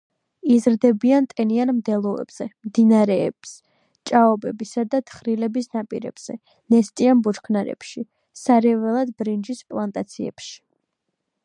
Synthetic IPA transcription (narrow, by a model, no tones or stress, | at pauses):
izɾd̪ɛbiant̪ʼɛnianmd̪ɛlˠɔɛ̰bz̥ɛmd̪inaɾɛːbs | t͡ʃʼaɔbɛbisad̪at̪ʰχɾilɛbisnapʼḭɾɛ̰b̥z̥ɛ | nɛst̪ʼianbut͡ʃkʰnaɾɛ̰pʃi | saɾɛvɛlˠad̪̚bɾind͡ʒispʼlˠant̪ʼat̪sʰiɛ̰pʃi̥